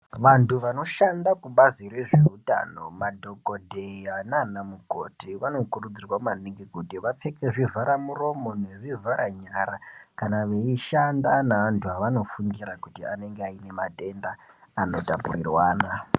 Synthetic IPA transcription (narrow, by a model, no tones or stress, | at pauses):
ʋantʰuʋano̞ʃandakuɓazire̞ʐe̞uta̰no̞̰madʱo̞kodʱeananamuɡʱo̰tiʋano̞kurud͡zirwamaniŋɡikutiʋap͡fe̞keʐivaɾamuro̞mo̞ne̞ʐivaɾaɲaɾakanaʋe̞iʃandanaʋantʰuɦaʋano̞fuŋɡiɾakutiane̞ŋɡeaine̞matʼe̞nda | ano̞tapṵrirwaːna